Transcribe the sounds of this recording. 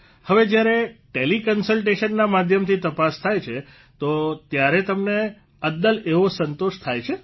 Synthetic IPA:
həʋed͡ʒjaɾeʈelikənsəlʈeʃənːamad̪ʱjəmt̪ʰit̪əpast̪ʰajt͡ʃʰe | t̪ot̪jaɾet̪əmne | əd̪əleʋosənt̪oʃt̪ʰajt͡ʃʰe

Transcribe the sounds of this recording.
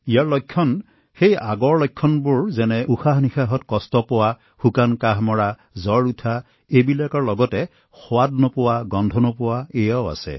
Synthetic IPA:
ijaɹlɔjkʰːɔn | xejaɡɔɹlɔjkʰːɔnbʊɹzɛnɛʔuxaɦnixaɦɔtkɔstɔpɔwa | xukankaɦmɔɹa | zɔɹutʰa | ebilakɔɹlɔɡɔtɛ | xɔwadnɔpʊwaɡɔndʱɔnɔpʊwaejawa̰sɛ̰

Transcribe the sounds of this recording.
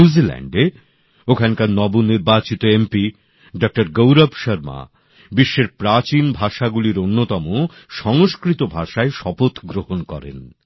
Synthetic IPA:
uzilɛ̰ɳɖe | okʰankaɾnɔbuniɾbat͡ɕit̪oempi | ɖɔk̚ʈaɾɡowɾabʃəɾma̰ | biʃːeɾpɾat͡ɕinbʱaʃaɡuliɾonːot̪ɔmo | ʃɔŋoʃkɾit̪obʱaʃaeʃɔpot̪ɡɾohonkɔɾḛn

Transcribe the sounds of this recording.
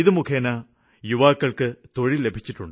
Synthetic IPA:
iðɨmukʰeːnɐ | juʋaːkːɐɭkɨt̪o̞ɻile̞bʱit͡ɕːiʈːuɳɖɨ

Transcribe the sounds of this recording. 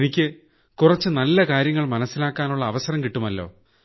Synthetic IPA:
enikʲːɨ | kurɐt͡ɕːɨnɐlːɐkaːɾjɐŋːɐɭmɐnɐsːilaːkːaːnuɭːɐːʋɐsɐɾɐmkiʈːumɐlːo̞̰ː

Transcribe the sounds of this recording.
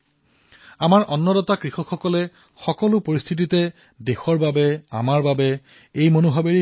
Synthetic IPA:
amaɹʔɔnːɔdɔtakɹixɔkxɔkɔlɛ | xɔkɔlʊpoɹist̪ʰit̬itɛ | dexɔɹbabɛa̰maɹbabɛ | ejmonuɦabeɹi

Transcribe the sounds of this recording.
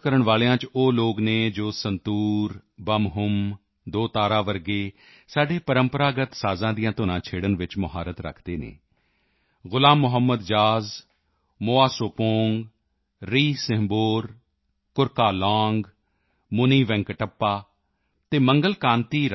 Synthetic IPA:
kəɾəɳʋaːlejãːt͡ʃoːloːkneːd͡ʒoːsənt̪uːɾ | bəmɦʊm | d̪oːt̪aːɾaːʋəɾɡeː | saːɖeːpəɾəmpəɾaːɡət̪saːzãːd̪ijãːt̪oːnãːt͡ʃʰeːɽənʋɪt͡ʃmʊɦaːɾət̪ɾə̰kʰd̪eːnḛː | ɣʊlaːmːʊɦəmːəd̪d͡ʒaːz | moːaːsoːpoːŋɡ | ɾiːsɪ̃ɦmboːɾ | kʊɾkaːlãːŋɡ | mʊniːʋɛ̃ŋkʈəpːaː | t̪eːməŋɡəlkãːnt̪iːɾ

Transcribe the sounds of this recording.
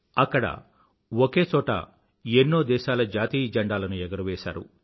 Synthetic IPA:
ɐkːɐɽɐ̰ | woke̞ːt͡ʃɔːʈɐ̰ | enːoːd̪ɛːʃaːlɐd͡ʒaːt̪iːd͡ʒɐɳɖaːlɐnuɛɡɐɾɐʋɛːʃa̰ːɾṵ

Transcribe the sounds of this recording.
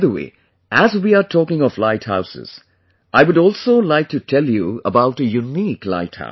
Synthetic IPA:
ðəwḛː | ʔæzwiːatʰɔːkɪ̃ŋɔflaɪtha̰ʊsɪ̰z̥ | ʔaɪwʊɾɔːlˠsoʊlaɪk̚tutʰɛljuəbaʊʈəjunikla̰ɪtha̰ʊ

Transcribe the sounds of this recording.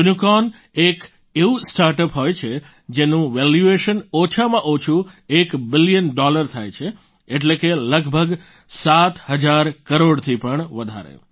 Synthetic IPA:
unukɔn | ek | eusʈaɾʈəpɦojt͡ʃʰe | d͡ʒenũʋɛljueʃənot͡ʃʰamãʔot͡ʃʰuekbɪlijənɖɔləɾt̪ʰajt͡ʃʰe | eʈlekeləɡbʱəɡ | sat̪həd͡ʒaɾkəɾoɽt̪ʰipəɳʋəd̪ʱa̰ɾḛ

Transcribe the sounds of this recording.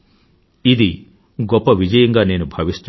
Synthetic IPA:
id̪i | ɡɔpːɐʋid͡ʒɐjɐŋɡaːneːnubʱɐʋist̪

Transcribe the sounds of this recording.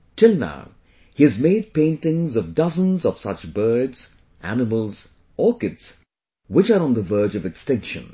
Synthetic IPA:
tʰɪlˠna̰ʊ | hiɨzmeɪd̚pẽɪ̃ntɪ̃ŋzʌvdʌzə̃nzʌv̥sʌ̰t͡ʃbɜ˞dz̥ | ʔæ̰nɨməlˠz̥ | ɔkɪts | wɪt͡ʃəɾ̃nðəvɜ˞d͡ʒʌvɨkstɪ̃ŋkʃɨ̰̃n

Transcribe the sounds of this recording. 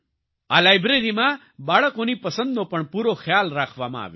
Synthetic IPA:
alaːjbɾeɾimã | baːɭəkonipɐsə̃nd̪opɐɳpuːɾoxjaːlɾaːkʰʋaːmã̰ːʋḛː

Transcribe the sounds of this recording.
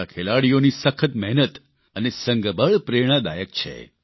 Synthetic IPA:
akʰelaɽijonisəkʰət̪̚mɛɦnət̪ | ənesəŋɡəbəɭpɾeɽ̃ad̪ajək̚t͡ʃʰḛ

